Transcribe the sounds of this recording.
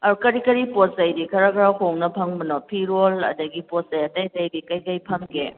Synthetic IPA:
ɐɾkɐɾikɐɾiposɐjdikʰɐɾakɐɾahoŋnɐpʰɐŋbɐnɔpʰiɾolɐ̰dɐɡiposɐjɐtɐjtɐjdikɐjkɐjpʰɐmkʰḛ

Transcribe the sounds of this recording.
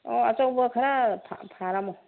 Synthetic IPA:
ɔa̰t͡ʃɔwbəkʰaɾapʰa̰pʰaɾamɔ

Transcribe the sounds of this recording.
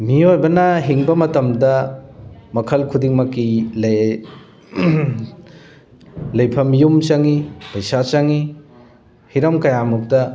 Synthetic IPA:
miojbɐnɐɦiŋbɐmɐtɐmdɐ | mɐkʰɐlkʰudiŋmɐkːil | lɐjpʰɐmjumsɐŋipɐjsasɐŋi | hiɾɐmkɐjamuk̚tɐ

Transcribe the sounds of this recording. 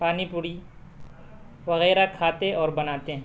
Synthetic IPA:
paːnipʊɽi | ʋɐɣɛːɾakʰaːt̪eʔɔːɾbɐnaːt̪ẽ

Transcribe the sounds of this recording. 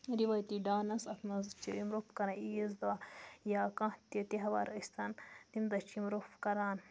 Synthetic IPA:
ɾiʋaːjt̪iɖaːnɐsɐt̪ʰnɐzt͡ʃiimɾopkɐɾɐ̃izd̪ajaːkãt̪it̪iɦɐʋa̰ːɾɐsʲt̪ʰɐnt̪imd̪ɐt͡ʃimɾofkɐɾaːn

